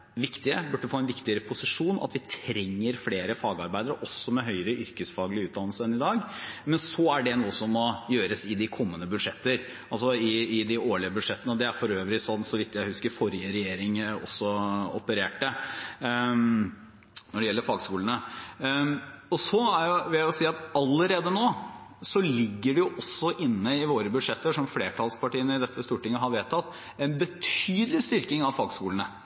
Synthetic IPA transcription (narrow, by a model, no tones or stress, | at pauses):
ʋɪkt̪ɪəbʉʈɖːəəfoːɛnʋɪkt̪ɪəɾəpʰʊsɪʂuːnʔɑ̰t̪ʋɪt̪ʰɾɛŋːəɾfleːɾəfɑːɡɑɾbæɪd̪əɾəʔɔsːɔmɛɦœʏəɾəʔʏɾkəsfɑːɡlɪʉːt̪̚d̪ɑnlsəɛnɪd̪ɑːɡmɛnsɔæɖɛnuːəsɔmːɔjøːɾəsɪd̪ɪkʰɔmːənəbʉd̪ʂɛt̪ːəɾ | ɑlsɔɪɪd̪ɪoːɭɪəbʉd̪ʂɛt̪ːənəd̪ɛæɾfɔɾøːʋɾɪsɔnsɔʋɪt̪ːjæɪhʉskəɾfɔɾjəɾɛjeːɾɪŋɔ̰sːɔɔpəɾeːʈə | nɔɖɛjɛlːəɾfɑːɡskuːlənə | ɔsɔæɾjʊʋɪljæʊsiːɑt̪ɑlːəɾeːd̪ənoːsɔlɪɡːəɖɛjʊʔɔsːɔʔɪnːəɪʋoːɾəbʉd̪ʂɛt̪ːəʂɔmfleːʈʰɑlspʰɑʈiːənəɪd̪ɛt̪ːəst̪uːʈɪŋːəɦɑɾʋeːt̪ʰɑt̪ː | ɛnbət̪ʰyːd̪lɪst̪ʏɾkɪŋɑʋfɑːɡskuːlnə